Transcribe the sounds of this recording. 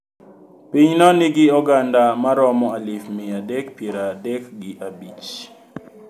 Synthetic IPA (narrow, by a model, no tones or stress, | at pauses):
piɲnɔnɪɡɪɔɡandamaɾɔmɔalɪfmɪadɛkpjeɾadɛkɡɪʔabit͡ʃ